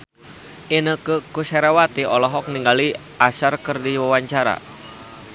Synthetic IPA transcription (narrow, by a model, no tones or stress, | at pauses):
inəkəkusɛɾawat̪iɔlɔɦɔk̚niŋɡali | asarkɨrdiwawaɲt͡ʃaɾa̰